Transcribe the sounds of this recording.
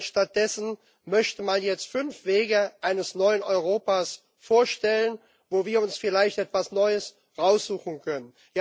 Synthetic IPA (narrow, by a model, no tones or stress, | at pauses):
ʃtat̚d̥ɛsn̩ | mœçtəmanjɛt͡stfʏnfv̥eːɡəʔaɪnəsnɔʏənʔɔʏʁ̞oːpaːs | foːɐʃtɛlən | voːviːɐʊnsfɪlaɪçtʔɛtv̥asnɔʏəs | ʁaʊsz̥uːxn̩kʰœnən | ja